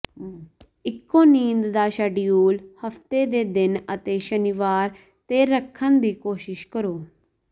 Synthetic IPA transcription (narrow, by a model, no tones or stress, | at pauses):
ɪkːoːniːnd̪d̪aːʃəɖɪjuːlhəft̪ed̪eːd̪ɪnət̪eːʃənɪʋaːɾ | t̪eɾəkʰːənd̪iːkoːʃɪʃkəɾoː